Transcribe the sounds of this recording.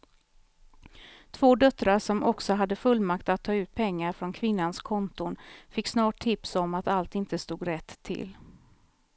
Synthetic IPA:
t̪ʰv̥oːd̪œt̪ɾaʂɔmʔɔksɔɦad̪ːəfɵlːmakt̪at̪ʰːɑːʉ̟ːt̪̚pʰɛŋːaɾfɾɔnkʰvɪnːanskʰɔnt̪ʊnfɪkːsnɑːʈʰːɪpsɔmat̪alt̪ɪnt̪əst̪uːɡɾɛt̪ʰːɪ̰l

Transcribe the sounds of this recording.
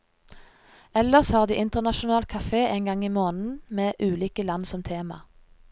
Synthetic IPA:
ɛləʁshɑːʁd̪iːʔɪnt̪əʁnɑʃʊnɑːlkʰɑfeːʔeɪnɡɑŋiːmoːnn̩meːʔʉːliːkəlɑnsɔmt̪ʰeːmɑ̰

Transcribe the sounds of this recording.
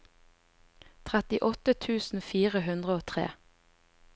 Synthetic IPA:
t̪ʰʁæt̪ɪʔɔt̪ət̪ʰʉːsn̩fiːʁəɦʉnd̪ʁəoːt̪ʰʁḛː

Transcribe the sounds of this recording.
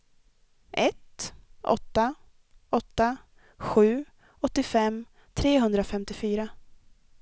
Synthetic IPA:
ʔɛt̪ʔɔ̰t̪ːa | ʔɔt̪ːa | ɧʉ̟ː | ɔt̪ːɪfɛmː | t̪ʰɾeːɦɵnd̪ɾafɛmt̪ɪfyːɾa

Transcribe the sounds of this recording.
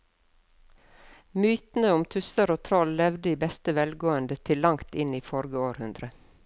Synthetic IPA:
myːt̪n̩əʊmt̪ʰʉsəɾoːt̪ʰɾɔllɛʋd̪əiːbɛst̪əʋɛlɡoːənd̪ət̪ʰɪllːɑŋt̪ɪniːfɔɾɡəoːɾhʉnd̪ɾə

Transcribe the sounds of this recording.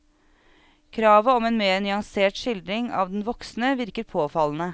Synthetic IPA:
kʰɾɑːʋəɔmeːnmeːɾnʏɑŋseːʈʂɪld̪ɾɪŋɑ̰ːʋd̪ɛn̩ʋɔksnəʋɪɾkəɾpʰoːfɑln̩ə

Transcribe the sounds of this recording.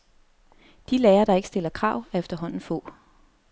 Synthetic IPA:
d̥ilɛːɐɾ̥ɑ̈eɡ̥sd̥e̝lɐkʰʁɑ̈ːʊ̰æɐefd̥ɐɦɒ̽n̰n̩fɔ̰̽ː

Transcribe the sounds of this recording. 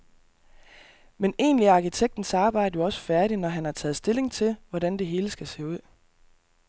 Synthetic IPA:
mene̝̰ːnliɑ̈kʰit͡sʰeɡ̥̚d̥n̩sɑ̈ːb̥ɑ̈ɪ̰d̥əjo̝ɒ̽sə̥fæɐɾ̥inɒɦænhɑ̈t͡sʰɛ̰ːð̩ˠsd̥e̝le̝ŋt͡sʰe̝lʋɒɾænd̥e̝ɦe̝ːləsɡ̥æse̝̰ːuð̞̰ˠ

